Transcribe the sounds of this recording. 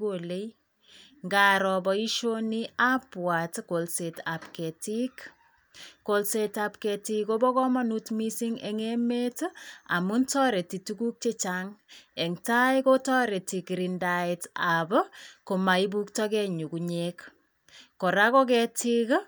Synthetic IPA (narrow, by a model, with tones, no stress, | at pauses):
ole˦j | ŋɡaɾɔbɔi˦ʃonia˦pwa˨tkolseta˨pkɛ˨ti˦k | kolsetapkɛtiko˦bɔ˦kɔma˦nutmisi˦ŋɛŋe˦me˦ta̰˨mu˦ntɔ˦ɾe˨ti˨tuku˦k̚t͡ʃe˦t͡ʃaŋɛ˨ŋta˦jko˦tɔ˦ɾe˨tikɾindaitabɔko˨ma˨i˦bu˦ktɔ˦kɛɲu˨kuɲek | kːɔ˨ɾa˦kɔ˦kɛtʰik